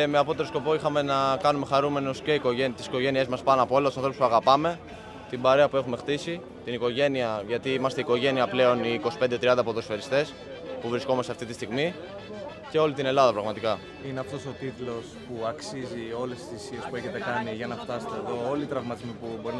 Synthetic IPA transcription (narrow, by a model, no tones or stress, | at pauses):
me̞ɐpo̞t̪e̞ɾosko̞po̞ixɐme̞nɐkɐnume̞xɐɾume̞nosce̞iko̞ʝent̪i̥si̥ko̞ʝe̞nie̞zmɐspɐnɐpoolɐt̪usɐnθɾopuspuɐɣɐpɐme̞ | t̪ibɐɾeɐpue̞xume̞xt̪isi | t̪iniko̞ʝe̞niɐʝɐt̪iimɐst̪eiko̞ʝe̞niɐple̞o̞niːko̞si̥pe̞nd̪e̞t̪ɾiɐnd̪ɐpot̪osfeɾist̪e̞s | puvɾiskomɐst̪eɐft̪it̪ist̪iɣmi | ce̞o̞lit̪ine̞lɐðɐpɾɐɣmɐt̪ikɐ | ineɐft̪o̞so̞t̪it̪lo̞spuɐksizio̞le̞sisisie̞spueçe̞t̪e̞kɐniʝɐnɐft̪ɐse̥t̪eːðo̞o̞lit̪ɾɐvmɐt̪izmipubo̞ɾin